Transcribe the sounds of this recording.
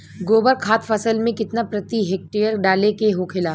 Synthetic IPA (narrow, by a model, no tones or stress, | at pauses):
ɡoːbəɾkʰaːt̪fɐsəlmẽkɪt̪napɾɐt̪iɦeːk̚ʈeːəɾɖaːlekeɦokʰɪlaː